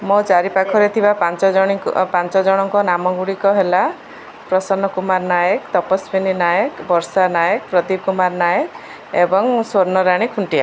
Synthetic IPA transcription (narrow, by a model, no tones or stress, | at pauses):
mot͡ʃaɾipakʰɔɾet̪ʰibapant͡ʃɔɔɽ̃ḭpant͡ʃɔd͡ʒɔɽ̃ɔŋkɔnamɔɡuɽikɔɦela | pɾɔsɔnɔkumaɾnajɔkt̪ɔpɔsbininajɔkbɔɾsanajɔkpɾɔd̪ib̚kumaɾnajɔk | ebɔŋswɔɾnɔɾaɽ̃ikʰuɳʈia̰